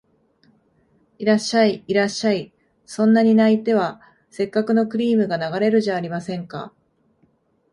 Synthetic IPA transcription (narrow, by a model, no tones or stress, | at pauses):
iɾaɕːaiiɾaɕːai | sõ̞nːaɲ̟inait̪e̞βa | se̞kːakɯ̟no̞kɯ̟ɾʲiːmɯ̟ɡanaɡaɾe̞ɾɯ̟ʑaːɾʲimasẽ̞ŋka̰